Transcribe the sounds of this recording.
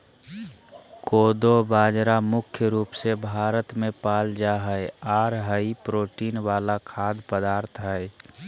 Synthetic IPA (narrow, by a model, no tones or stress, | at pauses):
koːd̪obaːd͡ʒɾamʊkʰjəɾuːpsebʱaːɾət̪mẽpaːld͡ʒaɦəeaːɾɦəipɾoːʈiːnʋaːlakʰaːd̪pəd̪aːɾt̪ʰɦəɛ